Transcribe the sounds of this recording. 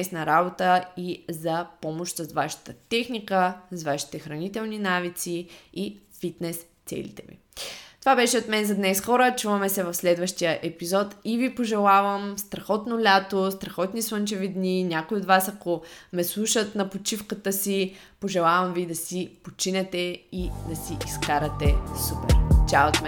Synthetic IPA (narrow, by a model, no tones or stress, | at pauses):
ɛsnɐɾabot̪əizɐpɔmoʃt̪zzvaʃə̥t̪ət̪ɛxnikəzvaʃi̥t̪ɛxɾɐnit̪ɛlˠninavit̪sii | fit̪nɛst̪sɛ̰lḭt̪ɛ̰vḭ | t̪ovabɛʃɛot̪mɛnzɐd̪nɛsxɔɾət͡ʃuvɐmɛsɛvɐfslɛd̪vəʃt̪ijəʔɛpizɔt̪ivipoʒɛlˠavəmst̪ɾɐxɔt̪nolʲat̪ost̪ɾɐxɔt̪niswənt͡ʃɛvid̪ninʲakoiot̪vasɐkomɛslˠuʃət̪nɐpot͡ʃifkət̪əsi | poʒɛlˠavɐmvid̪ɐsipot͡ʃinɛt̪ɛid̪ɐsiʔiskaɾɐt̪ɛsupɛ̰ɾt͡ʃaot̪mɛ